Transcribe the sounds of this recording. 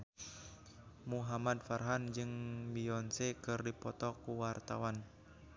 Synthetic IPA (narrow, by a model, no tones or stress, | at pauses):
muɦamad̪farɦand͡ʒɨŋbiɔnsɛkɨrdipɔt̪ɔkuwart̪awan